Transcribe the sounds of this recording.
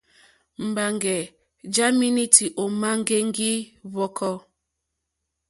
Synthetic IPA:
m̩˨ba˨ŋɡɛ˨ | d͡ʒa˦mi˦ni˦ti˨ʔɔ˨ma˦ŋ˦ɡe˦ŋ˦ɡi˦βɔ˦kʰɔ˦

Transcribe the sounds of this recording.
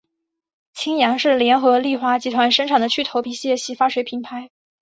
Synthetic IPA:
t͡ɕʰi˥ŋjɑ˧˥ŋʂɻ̩˥˩ljɛ˧˥nxɤ˧˥li˥˩xwa˥t͡ɕi˧˥t̪ʰwa˧˥nʂə˥ŋʈ͡ʂʰɑ˨˩ŋd̪ə˦t͡ɕʰy˥˩t̪ʰo˧˥ʊpi˧˥ɕi˥˧jɛ˥˧ɕi˧˥fa˥ʂwe˧˥ɪpʰi˧˥ŋpʰa˧˥ɪ

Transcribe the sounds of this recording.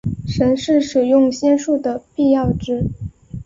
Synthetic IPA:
ʂə˧˥nʂɻ̩˥˩ʂɻ̩˨˩jʊ˥˧ŋɕjɛ˥nʂu˥˩d̪ə˩pi˥˧jɑ˥˩ʊʈ͡ʂɻ̩˥

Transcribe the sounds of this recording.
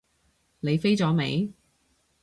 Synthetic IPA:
le˨˧jfe˥jt͡sɔː˨˥mḛ˨˧j

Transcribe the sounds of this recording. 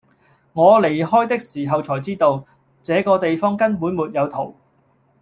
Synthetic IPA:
ŋɔː˨˧le˨˩jhɔː˥jt̪ɪ˥k̚siː˨˩ɦɐ˨wt͡sʰɔː˨˩jt͡siː˥t̪o˧w | t͡sɛː˨˧kɔː˧t̪e˨jfɔː˥ŋkɐ˥npuː˨˥nmuː˨t̚jɐ˨˧wt̪ʰo˨˩w

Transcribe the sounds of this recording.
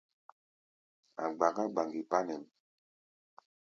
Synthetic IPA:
a̰˨ɡ͡ba˨ɡa˦ɡ͡ba˨ŋɡi˨pa˦nɛ˨n˨

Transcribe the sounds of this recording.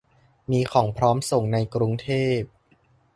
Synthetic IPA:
miː˧kʰɔː˩˦ŋpʰɾɔː˦˥mso˨˩ŋna˧jkɾu˧ŋt̪ʰeː˥˩p̚

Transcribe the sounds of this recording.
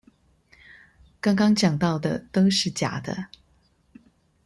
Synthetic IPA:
kɑ˥ŋkɑ˥ŋt͡ɕjɑ˨˩ŋt̪ɑ˥˩ʊd̪ə˩t̪o˥ʊʂɻ̩˥˩t͡ɕja̰˨˩d̪ə̰˦

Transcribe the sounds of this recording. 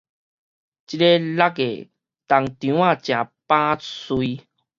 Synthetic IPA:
t͡ɕi˦le˦la˦˥kḛ˨ | t̪a˨˩ŋt̪jũ˨˦ã˥˧˨t͡ɕjã˨pã˦swi˧

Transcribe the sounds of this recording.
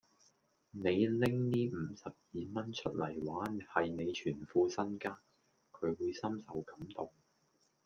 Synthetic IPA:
ne˨˧jlɪ˥ŋniː˥m̩˨˧sɐ˨p̚jiː˨mɐ˥nt͡ʃʰɵ˥t̚lɐ˨˩jwaː˨˥nhɐ˨jne˨˧jt͡ʃʰyː˨˩nfuː˧sɐ˥nkaː˥n | kʰɵ˨˧ɥwuː˨˧jsɐ˥msɐ˨˧wkɐ˨˥mt̪ʊ˨ŋ

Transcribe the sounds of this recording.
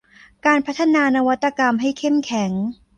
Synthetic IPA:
kaː˧npʰa˦˥t̪ʰːa˧naː˧na˧wa˦˥t̪ːa˧ka˧mɦa˥˩jkʰe˥˩mkʰɛ˩˦ŋ

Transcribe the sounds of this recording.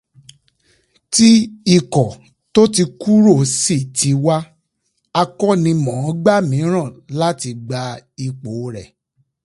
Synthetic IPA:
ti˦i˦˨kɔ˨ | to˦t̬i˧ku˦ɾo˦˨si˦˨ti˨˦wa˦ | a˧kɔ˦nĩ˧mɔ̃˨˦ɡ͡ba˦˨mĩ˨˦ɾ̃ã˦˨la˦ti˧ɡ͡ba˧i˧k͡po˨˦ɾɛ˨

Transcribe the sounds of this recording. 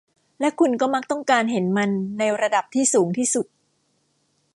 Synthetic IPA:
lɛ˦˥kʰu˧nkɔː˥˩ma˦˥k̚t̪ɔ˥˩ŋkaː˧nɦe˩˦nma˧nːa˧jɾa˧da˨˩p̚t̪ʰiː˥˩suː˩˦ŋt̪ʰiː˥˩su˨˩t̪̚

